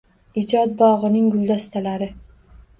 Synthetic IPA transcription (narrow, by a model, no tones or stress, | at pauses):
ɪd͡ʒɒt̪̚bɒʁɨnɪŋɡʊlˠd̪ast̪ʰalaɾɪ